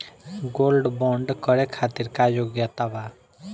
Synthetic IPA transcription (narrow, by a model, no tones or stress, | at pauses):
ɡolɖbɔɳɖkɔɾekʰat̪iɾkad͡ʒoɡjat̪aba